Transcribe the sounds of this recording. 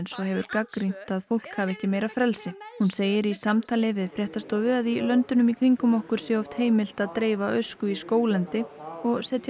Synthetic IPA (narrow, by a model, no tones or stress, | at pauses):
nsɔɦɛvʏɾkakɾin̥t̪aðfowl̥khaːvɛhcɪmeːjɾafɾɛlsɪhunseːjɪɾisamt̪ʰaːlɪvɪðfɾjɛht̪ast̪oːwvɪaðilœnt̪ʏnʏmikʰɾiŋkʏmɔhkʏɾ̥sjɛɔft̪heːjmɪl̥t̪aðt̪ɾeːjvaœɥskʏiskoːwlɛnt̪ɪɔɣsɛt̪